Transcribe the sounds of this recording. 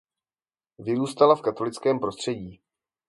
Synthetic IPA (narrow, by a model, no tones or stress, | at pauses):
vɪɾuːst̪alafkat̪o̞lɪt͡skɛːmpɾo̞st̪r̝̥ɛɟiː